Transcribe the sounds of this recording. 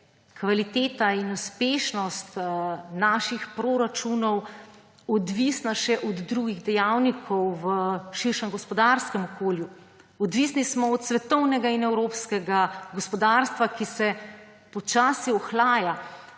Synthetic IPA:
kʋalit̪eːt̪ainuspeːʃnɔst̪naːʃixpɾoɾat͡ʃunɔw | ɔd̪ʋisnaʃɛʔɔd̪ːɾuɡiɣd̪ɛjawnikʰɔwʋəʃiɾʃɛmɡɔspɔd̪aɾskɛmɔkoːlju | ɔd̪ʋiːsnismɔɔt̪sʋɛt̪ɔwnɛɡainɛwɾoːpskɛɡaɡɔspɔd̪aːɾst̪ʋakisɛ | pɔt͡ʃaːsiɔxlaːja

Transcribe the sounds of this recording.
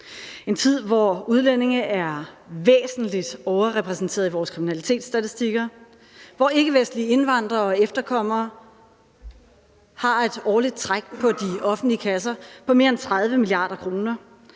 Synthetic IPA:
e̝nt͡sʰið̞̰ˠʋɒuð̞ˠlen̰e̝ŋʔæɐʋḛːsn̩lid̥ɒʊɐʁɛpʰʁɛsn̩t͡sʰe̝̰ɐiʋɒːskʰʁiminælit͡sʰe̝̰ːd̥sd̥æt͡sʰisd̥iɡ̥ɐ | ʋɒe̝ɡ̥əʋesd̥lie̝nʋɑ̈n̰d̥ʁɐɒ̽efd̥ɐkʰɒ̽m̰ɐː | hɑ̈e̝d̥ɒːlid̥̚t͡sʰʁaɡ̥̚pʰɒ̽d̥iɒ̽fn̩d̥liəkʰæs̬ɐpʰɒ̽me̝ːɐent͡sʰʁɑð̞ˠʋəmiliɑ̰̈ːɾ̥ɐkʰʁo̝ːnɐ

